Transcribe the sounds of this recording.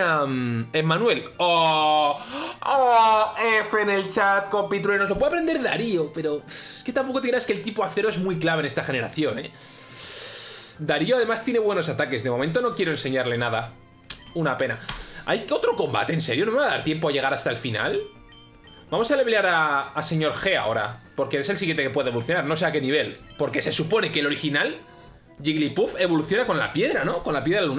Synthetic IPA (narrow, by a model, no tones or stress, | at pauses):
amemːãnwe̞lo | oefenelt͡ʃat̪̚ko̞mpit̪ɾuenolo̞pweapɾe̞nd̪eða̰ɾiope̞ɾo̞eske̞t̪ampo̞kot̪ekɾeaskelt̪ipoaθe̞ɾoe̞zmwijklaβene̞st̪axene̞ɾa̰θjo̞ne̞̰ | d̪aɾio̞aðe̞mast̪je̞ne̞βwe̞no̞sat̪ake̞zðemo̞mẽnt̪o̞no̞kje̞ɾoense̞ɲaɾle̞naða | unape̞naa̰jo̞t̪ɾo̞ko̞mba̰t̪e̞ːnse̞ɾjonoaaðaɾt̪je̞mp̬oaʝe̞ɣaɾast̪aelfina̰l | bamo̞saleβlaɾaːse̞ɲo̞ɾxe̞a̰o̞ɾa̰po̞ɾkeeselsiɣjent̪ekepwe̞ðeoluθjonaɾno̞s̬e̞ake̞niβ̞e̞lpo̞ɾke̞se̞supo̞ne̞kelo̞ɾixinal | ʝiɣlipufe̞βo̞luθjo̞nako̞nla̰pje̞ðɾano̞ko̞nlapjeðɾalalun